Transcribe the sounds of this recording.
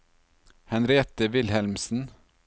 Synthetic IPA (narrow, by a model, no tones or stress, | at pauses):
hɛnɾeːt̪əʋɪlhɛlmsn̩